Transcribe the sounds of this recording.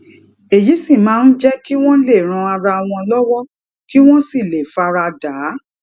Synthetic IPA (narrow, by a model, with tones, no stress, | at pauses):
e˨ji˨˦si˦˨mãː˨˦n̩˦d͡ʒɛ˦ki˦w̃ɔ̃˦le˦˨ɾ̃ã˧a˧ɾa˧w̃ɔ̃˧lɔ˦wɔ˦ | ki˦w̃ɔ̃˦si˦˨le˨fa˧ɾa˧da˨˦